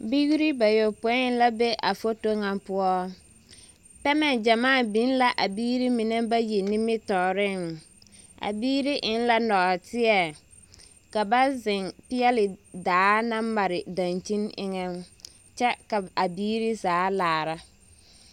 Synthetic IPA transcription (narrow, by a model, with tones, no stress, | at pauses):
bi˦ɣi˦ɾi˦ba˨jo˨po˨˦ɪ˦n˦la˦be˦ʔa˨fo˦to˦ŋa˨mpʊ˦ɔ˦ | pɛ˦mɛ˦˨d͡ʒa˨maː˦˨bi˦n˦la˨ʔa˨biː˦ɾi˦mɪ˨nɛ˦ba˦ji˨nɪ˦mɪ˦tɔ˨ɾɪ˦ŋ | ʔa̰˨biː˦ɾi˦ʔɪ˨˦n˦la˦nɔ˨ʔtɪ˦ɛ˨ | ka˨ba˦zɪ˨ŋpɪ˦ɛ˦lɪ˨daː˨˦na˦ma˨ɾɪ˨dã˨nt͡ʃi˦nɪ̰˦ŋɛ˦n | t͡ʃɛ˦ka˨a˨biː˦ɾi˦zaː˨˦laː˨ɾa˦